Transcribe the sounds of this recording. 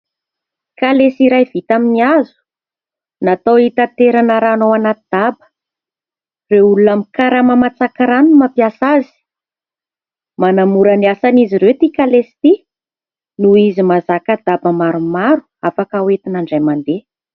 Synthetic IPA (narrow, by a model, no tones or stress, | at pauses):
kalesiɾajvit̪aminiazu̥ | nat̪owit̪at̪eɾanəɾanowanat̪id̪̥abə̥ | reulunamikaɾamamat͡sakaɾanumapjasazi̥ | manamuɾaniasaniziɾewt̪ikalest̪i | nuizimazakad̪abəmaɾumaɾu̥afakawet̪inaɳɖ͡ʐajmand̪e